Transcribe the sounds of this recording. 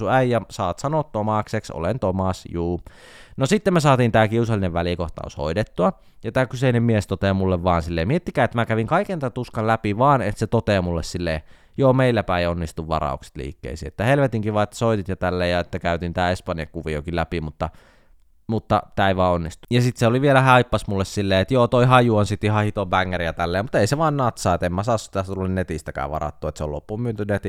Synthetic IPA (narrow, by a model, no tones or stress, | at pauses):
uæijɑsɑːt̪sɑnoˑt̪t̪ːomɑksekso̰lḛnt̪omɑsjuː | nosit̪ːemesɑːt̪iːnt̪æːkiusɑlːineʋʋælikoht̪ɑ̰ːso̰idet̪ːuɑ | jɑt̪æːkyseinemmiest̪ot̪eːmulːeʋʋɑːnsilːeːmiet̪ːikæːet̪ːmækæʋiŋkɑikent̪æt̪uskɑllæpiʋɑːnḛt̪set̪ot̪eːmulːessilːeː | joːmeilːæpæionːist̪uʋʋɑ̰rɑ̰ukse̥t̪lḭːkːḛːsḭːḛt̪ːæhelʋet̪iŋkiʋɑːet̪ːæ̥soit̪it̪jɑt̪ælːeːjɑet̪ːækæyt̪int̪æːespɑnijɑ̰kuʋiokilæpimut̪ːɑ | mut̪ːɑt̪æˑiʋɑːonːist̪ujɑsit̪seoliʋielæhæipːɑsmulːessilːeːet̪joːt̪oihɑjuonsit̪ihɑhit̪obæŋːærijɑt̪ælːeːmut̪eiseʋɑːnnɑt̪sɑːet̪emmæsɑːossit̪æst̪ulːennet̪ist̪ækæ̰ːʋɑ̰rɑ̰t̪ːuet̪seo̰lo̰pːumyønt̪ynet̪i